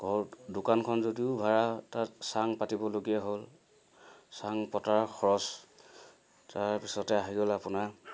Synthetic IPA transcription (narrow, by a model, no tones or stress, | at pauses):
ɡʱɔdukankʰɔnzodiʊbʱaɹatatsaŋpatibɔloɡijaɦol | saŋpɔtaɹkʰɔɹɔs | taɹpisɔtɛaɦiɡolapʊna